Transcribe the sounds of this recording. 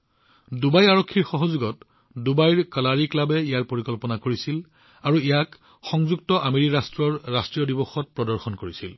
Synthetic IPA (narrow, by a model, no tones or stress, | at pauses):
dubajaɹokʰːiɹxɔɦɔzuɡɔt | dubajɹkalaɹiklabɛijaɹpoɹikɔlpɔnakoɹisil | aɹuijak | xɔŋzuk̚tɔʔameɹikɹastɹɔɹːastɹijɔdibɔxɔt̚pɹɔdɔɹxɔnkoɹisil